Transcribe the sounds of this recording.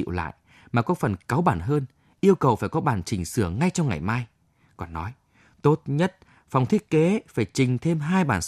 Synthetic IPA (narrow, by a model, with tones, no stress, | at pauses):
wla̰ː˧˨j | maː˨˩kɔ˨˦fə˨˩nkaː˨˦wɓaː˧˩nɦəː˧n | ʔi˧əwkə˨˩wfaː˧˩jkɔ˨˦ɓaː˧˩nt͡ɕï˨˩ŋ̟sɨ˧˩əŋa˧jt͡ɕɔ˧wŋ͡mŋa˨˩jmaː˧j | kɔ˨˩nːɔ˨˦j | t̪o˦˥t̚ɲə˦˥t̚ | fa˧wŋ͡mt̪ʰi˦˥ət̚ke˨˦faː˧˩jt͡ɕï˨˩ŋ̟t̪ʰe˧mɦaː˧jɓaː˧˩n